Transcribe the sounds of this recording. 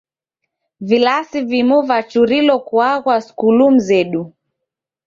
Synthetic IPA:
vilasivimuvat͡ʃuɾilɔkwaɣwaskulum̩zɛɗu

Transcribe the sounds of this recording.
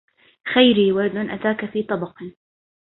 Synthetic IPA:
xajɾiːwaɾd̪ʊnʔat̪aːkafiːt̪ˤɑbɑqː

